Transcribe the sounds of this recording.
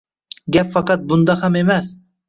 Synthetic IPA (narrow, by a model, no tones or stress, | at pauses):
ɡʲapfɑqɑt̪̚bʊnd̪ɑhame̞mas